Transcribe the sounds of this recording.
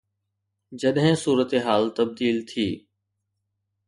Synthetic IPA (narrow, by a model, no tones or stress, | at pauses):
d͡ʑɐɗɦɪ̃suːɾət̪eɦaːlt̪ɐb̚d̪iːlt̪ʰiː